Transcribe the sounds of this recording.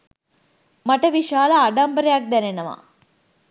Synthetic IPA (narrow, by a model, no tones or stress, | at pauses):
maʈəʋiʃaːlaːɖambəɾejak̚d̪ɛnenɐʋa̰